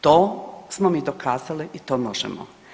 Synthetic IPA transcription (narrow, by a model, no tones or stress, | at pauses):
t̪oːsmomiːd̪okʰaːzaliʔit̪oːmoʒɛ̰mo̰